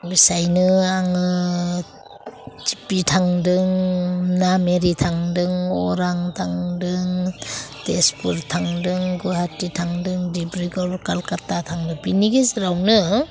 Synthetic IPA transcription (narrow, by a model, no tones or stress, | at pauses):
bisajnɯaŋɯ | d͡ʒi̥pitʰaŋdɯŋnameɾitʰaŋdɯŋɔɾaŋtʰaŋdɯŋtespuɾtʰaŋdɯŋɡuɦatitʰaŋdɯŋdibɾiɡɔlkalkatːatʰaŋdɯŋpiniɡeziɾawnɯ